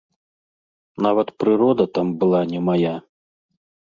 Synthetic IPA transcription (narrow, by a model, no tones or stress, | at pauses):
navɐt̪pɾɨɾɔd̪ɐt̪ambɨlˠanʲɛmaja